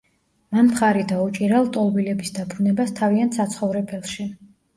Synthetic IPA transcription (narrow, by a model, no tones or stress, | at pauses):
mampχaɾid̪aut͡ʃʼiɾalˠt̪ʼɔlˠbilɛbisd̪abɾunɛbast̪ʰaviant̪ʰsat̪sʰχɔvɾɛpʰɛlˠʃi